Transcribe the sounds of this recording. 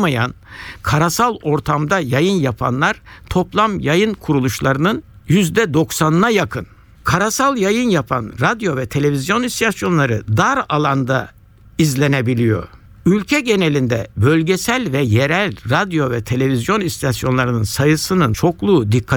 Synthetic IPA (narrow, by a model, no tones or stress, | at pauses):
maja̰nkʰaɾasalˠo̞ɾt̪ʰamd̪ajajɯnjapʰa̰nlˠaɾ̥t̪ʰo̞plˠamjajɯnkʰuɾulˠuʃlˠaɾɯnɯn | jyzd̪ɛd̪o̞ksanɯnajakʰɯn | kʰaɾasalˠjajɯnjapʰa̰nɾad̪jo̞vɛt̪ʰe̞lʲe̞vizjo̞nist̪ʰasjo̞nlˠaɾɯd̪aɾalˠand̪a | izlʲe̞ne̞bilʲijo̞̰ɾ | ylʲcʰɛɟe̞nelʲind̪ɛbø̞lʲɟesælʲvɛje̞ɾælʲɾad̪jo̞vɛt̪ʰe̞lʲe̞vizjo̞nist̪ʰasjo̞nlˠaɾɯnɯnsajɯsɯnɯnt͡ʃʰo̞klˠuːd̪ikʰːa